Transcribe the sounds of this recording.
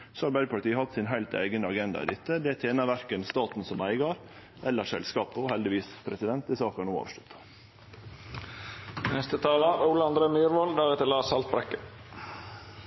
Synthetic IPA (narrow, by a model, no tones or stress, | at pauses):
sɔɑlbæɪəpʰɑʈ̪iːəhɑt̪ːsɪnɦæɪlt̪ʰæ̰ɪɡənəɑɡɛnd̪ɑ̰ḭd̪ɛt̪ːəd̪ɛæt̪ʰeːnɑʋæɾkənst̪ɑːt̪n̩sɔmæɪɡɑɾ | ʔɛlːəʂɛ̰lskɑːpɔhɛld̪ɪʋiːspʰɾɛsɪd̪ɛnt̪̚d̪ɪsɑːkɑɳuːɑ̰ːʋʂʈ̪ʊ̥t̪ː | nɛst̪ət̪ʰɑːlɑɾuːləɑnd̪ɾeːmyːɾʋɔld̪æɾɛt̪əlɑːsɑlt̪̚bɾɛkːə